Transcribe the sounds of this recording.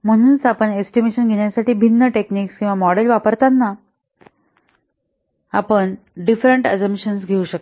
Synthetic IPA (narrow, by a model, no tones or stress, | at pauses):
m̤əɽ̃uːnt͡sapəɳesʈimeɕənɡʱeɳjasaʈiːbʱinːəʈekniːkskĩw̃ʋamɔɽelʋapəɾt̪anːa | apəɳ | ɖifɾəɳʈasəmɕənsɡʱeuɕək̪